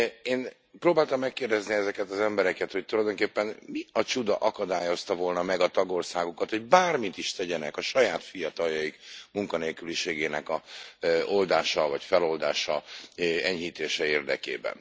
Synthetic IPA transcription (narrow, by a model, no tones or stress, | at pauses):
eːn | proːbaːlt̪ɒmːɛkːeːrd̪ɛzniɛzɛkɛt̪ɒzɛmbɛɾɛkɛt̪ho̞c̚t̪ulɒjd̪o̞ŋkeːpːɛnmiɒt͡ʃud̪ɒ̰ʔɒkɒd̪aːjo̞st̪ɒvo̞lnɒmɛɡɒt̪ɒɡo̞rsaːɡukɒt̪ho̞ɟ̚baːrmit̪iʃt̪ɛɟɛnɛkɒʃɒjaːt̪fijɒt̪ɒljɒikmuŋkɒneːlkyliʃeːɡeːnɛkɒ | o̞ld̪aːʃɒvɒcfɛlo̞ld̪a̰ːʃɒ | ɛɲɦiːt̪eːʃɛeːrd̪ɛ̰kḛːbɛ̰n